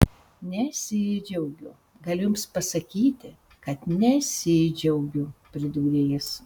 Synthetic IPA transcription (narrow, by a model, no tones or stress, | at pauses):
nʲɛsʲɪd͡ʒʲɛʊɡʲʊ | ɡɐlʲʊjʊmspɐsɐkʲiːt̪ʲɪ | kɐt̪nʲɛsʲɪd͡ʒʲɛʊɡʲʊpʲɾʲɪd̪uːɾʲeːjɪs